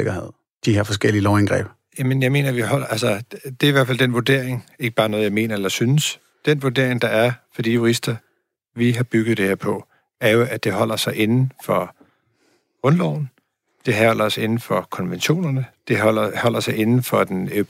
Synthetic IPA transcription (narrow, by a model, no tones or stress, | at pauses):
eɡ̥ɐeð̰ˠ | d̥ihɑɐfɒ̽sɡ̥el̰iəlɒʊænɡ̥ʁɛ̰ːb̥ | jæmənjɑ̈ɪme̝̰ːnɐʋihɒ̽l̰ɐʔælsɐd̥e̝æɐiʋæɐ̰fæld̥enʋuɐd̥e̝̰ɐ̰eŋe̝ɡ̥əb̥ɑ̈ːnɔ̽ð̞ˠjɑ̈ɪme̝̰ːnɐelɐsynəs | d̥enʋuɐd̥e̝ɐ̰e̝ŋd̥ɑ̈æɐfɒd̥ḭːjuʁisd̥ɐ | ʋiɦɑ̈b̥yɡ̥ð̩ˠd̥e̝he̝ɐpʰɒ̽ | æɐjo̝ʔæ̥d̥e̝ɦɒ̽l̰ɐsɑ̈ɪʔe̝nn̩fɒ̽ | ɔ̽nlɒʊ̰n̩ | d̥e̝ɦɒl̰ɐse̝nn̩fɒkʰɒ̽nʋenɕo̝̰ːnɐnəd̥e̝ɒ̰ɐhɒ̽l̰ɐsɑ̈ɪe̝nn̩fɒ̽d̥enø